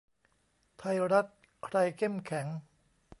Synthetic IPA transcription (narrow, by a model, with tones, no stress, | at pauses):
t̪ʰa˧jɾa˦˥t̪̚ | kʰɾa˧jkʰe˥˩mkʰɛ˩˦ŋ